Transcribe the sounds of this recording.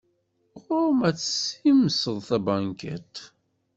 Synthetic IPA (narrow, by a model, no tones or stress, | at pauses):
ʁʊɾmæt͡sːə̥siməsəðˤθæbæŋkæ̰t̪